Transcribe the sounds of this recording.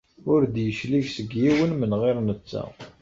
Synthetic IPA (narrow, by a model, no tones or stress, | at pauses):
ʊɾd̪jəʃliʝsəɡjiwənmənʁɪɾnət͡sːæ̰